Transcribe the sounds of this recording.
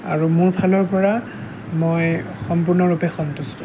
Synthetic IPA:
a̰ɹumuɹbʱalɔɹpɔɹa | moj | xɔmpʊɹnɔɹupɛxɔntustɔ

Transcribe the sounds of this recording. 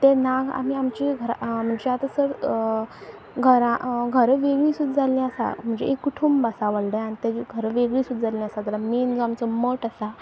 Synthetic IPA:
t̪ẽnaɡa̰miamt͡ɕiɡʱəɾam̤əɳd͡zeat̪əsəɾ | ɡʱəɾãɡʱəɾʋeɡɭiːsud̪d͡zalĩəsa̰m̤əɳd͡zeekːuʈʰumbasaʋəɭɖəañit̪eɡʱəɾʋeɡɭiːsud̪ʱd͡zalĩasad̪əɾamend͡zoamt͡sɔməʈəsa

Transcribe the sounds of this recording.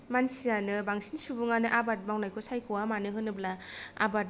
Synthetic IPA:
mansijanɯbaŋsinsubuŋanɯʔabat̚mawnajkʰɔsajkʰɯwamanɯɦɯnɯblaa̰bat̚

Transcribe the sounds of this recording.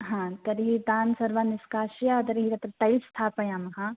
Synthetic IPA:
ɦãt̪ɐɾɦid̪aːnsɐɾʋaːnɪskaːʃijad̪ɐɾɦiɾɐt̪ɾʈɐjst̪ʰaːpɐjãːmɐɦãː

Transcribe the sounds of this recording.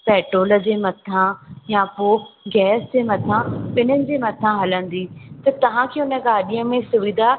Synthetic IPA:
pɛːʈɾoːlə̆d͡ʑeːmɐt̪ʰãjãpoɡɛːsd͡ʑeːmɐt̪ʰãpɪn̤ənɪ̆d͡ʑeːmɐt̪ʰãɦɐlə̃nd̪iːt̪ɐt̪ɐʋ̤ãkʰeːʊnə̆ɡaːɗijə̃mẽsʊʋɪd̪ʱa

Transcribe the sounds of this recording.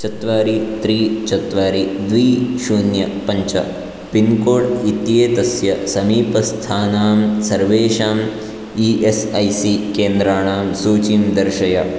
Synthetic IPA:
t͡ʃɐt̪ʋaːɾit̪ɾiːt͡ʃɐt̪ʋaːɾid̪ʋiːʃuːnjɐpɐɲt͡ʃɐ̰ | pinkoːɽit̪jeːt̪ɐsjɐsɐmiːpɐst̪ʰaːnaːmsɐɾʋeːʃaːm | iʔesɐjsikeːnd̪ɾaːɳaːmsuːt͡ʃimd̪ɐɾʃɐjɐ

